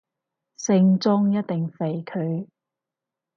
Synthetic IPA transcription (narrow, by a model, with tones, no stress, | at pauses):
sɪ˧ŋt͡sʊ˥ŋjɐ˥t̚t̪ɪ˨ŋfe˨jkʰɵ˨˧ɥ